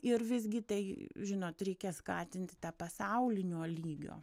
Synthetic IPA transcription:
ɪɾʋʲɪzʲɡʲɪt̪ɐɪʒʲɪnoːt̪ɾʲɛɪkʲɛskɑ̰ːt̪ʲɪnʲt̪ʲɪt̪ɑpɐsɐʊlʲɪnʲoːlʲiːɡʲo̰ː

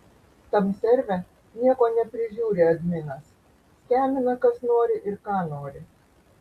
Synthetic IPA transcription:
t̪ɐmsʲɛɾʲʋʲɛ | nʲiɛkɔnʲɛpɾʲɪʒʲuːɾʲɛɐd̪ʲmʲɪnas | sʲkʲæmʲɪnɐkɐsnɔːɾʲɪʔɪrkɑnɔːɾʲɪ

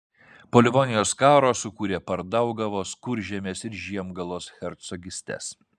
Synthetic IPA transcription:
poːlʲɪʋɔːnʲɪjoːskɑːɾoːsʊkuːɾʲeːpɐɾd̪ɐʊɡɐʋoːskʊɾʲʒʲɛmʲeːsɪɾʒʲiɛmɡɐlˠoːsxʲɛɾt̪sɔɡʲɪsʲt̪ʲɛ̰s

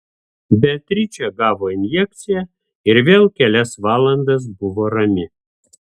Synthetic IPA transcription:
bʲɛt̪ʲɾʲɪt͡ʃʲɛɡɑːʋoːɪnʲjɛk̚t̪sʲɪjɛ | ɪɾʋʲeːlˠkʲɛlʲɛsʋɑːlˠɐnd̪ɐs̬bʊʋoːɾɐmʲɪ

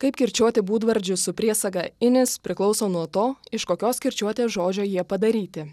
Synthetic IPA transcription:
kɐɪpkʲɪɾʲt͡ʃʲuɔt̪ʲɪbuːd̪ʋɐɾʲd͡ʒʲʊsʊpʲiɛsɐɡɐɪnʲɪspʲɾʲɪklˠɒʊsoːnuɔt̪oːɪʃkoːkʲoːskʲɪɾʲt͡ʃʲuɔt̪ʲeːsʒoːd͡ʒʲoːjiɛpɐd̪ɐɾʲiːt̪ʲɪ

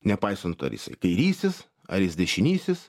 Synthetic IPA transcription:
nʲɛpɐɪsɐnt̪ɐ̰ɾʲjɪ̰sɐ̰ɪkɐɪɾʲiːsʲɪs | ɐ̰ɾɪsd̪ʲɛʃʲɪnʲiːsʲɪs

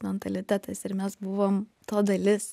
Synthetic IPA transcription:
mʲɛnt̪ɐlʲɪt̪ʲæt̪ɐɪsɪɾmʲɛsbʊʋoːmt̪oːd̪ɐlʲɪs

